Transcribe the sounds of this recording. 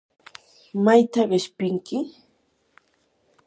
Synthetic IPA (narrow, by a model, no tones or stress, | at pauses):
majt̪aɢɪʃpɪŋkɪ